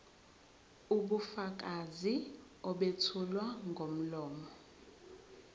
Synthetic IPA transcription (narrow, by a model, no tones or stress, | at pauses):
uɓufak̬ʼazi | ɔɓetʰulwaŋɡʱom̩lɔːmɔ